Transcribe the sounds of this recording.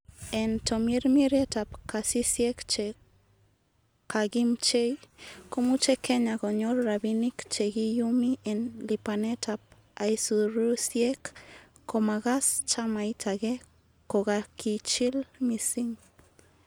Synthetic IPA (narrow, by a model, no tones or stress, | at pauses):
ent̪omiɾmiɾet̪apkasisjekt͡ʃe | kaɡimt͡ʃejkomut͡ʃekeɲaɡoɲoɾːaβinikt͡ʃeɡijumiʔenlipanet̪ʰap̚ | ajsuɾusjekː | omaɣast͡ʃamajt̪ʰaɣe | koɣakit͡ʃilmisiŋ